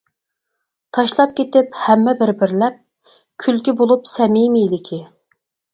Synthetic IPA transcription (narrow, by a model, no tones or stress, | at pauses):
t̪ʰɑʃlˠɑp̚kʲʰet̪ɪphɛmːɛbɪɾbɪɾlɛp̚ | kʲʰylkʲibolˠupsɛmimilɪkʲʰɪ